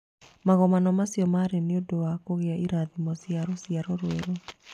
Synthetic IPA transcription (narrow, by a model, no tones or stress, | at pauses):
maɣɔmanɔmasiɔmaɾeneodoakoɣeaʔiɾaðimɔsiaɾɔsiaɾɔɾweɾo